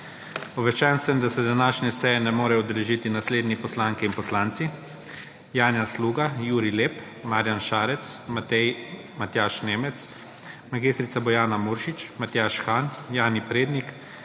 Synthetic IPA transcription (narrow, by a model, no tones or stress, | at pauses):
ɔʋɛʃt͡ʃɛnsəmd̪asɛd̪anaːʃnʲɛsɛjɛnɛmoːɾɛɔd̪ɛlɛʒiːt̪inasleːd̪nipɔslaːŋkiːnpɔslaːnt̪si | jaːnjasluːɡajuːɾileːp | maːɾjanʃaːɾɛt̪smat̪ɛj | mat̪jaːʃneːmɛt̪s | maɡist̪ɾisabɔjaːnamuːɾʃit͡ʃmat̪jaːʃxaːnjaːnipɾeːd̪nik